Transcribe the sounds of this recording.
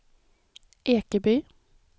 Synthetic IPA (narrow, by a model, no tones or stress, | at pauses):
ʔeːkəbyː